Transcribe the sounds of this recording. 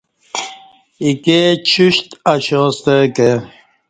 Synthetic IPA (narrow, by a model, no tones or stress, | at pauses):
iket͡ɕʰuɕt̪aɕost̪eke